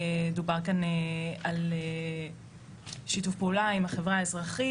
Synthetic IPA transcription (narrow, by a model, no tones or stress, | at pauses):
edubaʁkaneale | ʃitufpeulaimaχevʁaaezʁaχi